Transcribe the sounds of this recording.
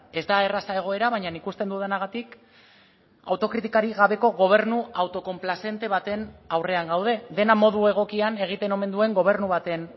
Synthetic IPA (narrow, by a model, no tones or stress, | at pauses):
e̞zd̪ae̞rasae̞ɣ̞o̞e̞ɾaβ̞aɲanikust̪e̞nd̪uð̞anaɣ̞at̪ik | a̰wt̪o̞kɾit̪ikaɾiɣaβe̞ko̞ɣo̞β̞e̞ɾnuawt̪o̞ko̞mplase̞nt̪e̞β̞at̪e̞nawre̞aŋɡawð̞e̞ðe̞namo̞ðue̞ɣ̞o̞kiane̞ɣ̞it̪e̞no̞me̞nd̪ue̞ŋɡo̞β̞e̞ɾnuβ̞at̪e̞n